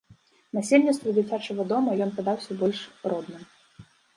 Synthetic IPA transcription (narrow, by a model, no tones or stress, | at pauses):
nɐsʲilʲnʲit̪st̪vʊd͡zʲɪt͡sʲat͡ʃəvɐd̪ɔmɐjɔnpɨd̪awsʲɐbɔlʲʂrɔd̪nɨm